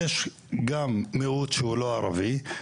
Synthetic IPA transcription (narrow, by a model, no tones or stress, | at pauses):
eʃ | ɡamːeʔut̪ʃehuloaɾˤavi